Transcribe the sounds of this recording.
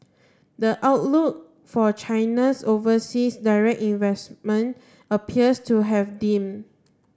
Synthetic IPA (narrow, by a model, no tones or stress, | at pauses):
dəʔaʊtluk̚ | fɔt͡ʃãɪnasovəsisdaɹɛk̚tĩnvɛsmə̃n | əpʰiəstuɦɛvdĩm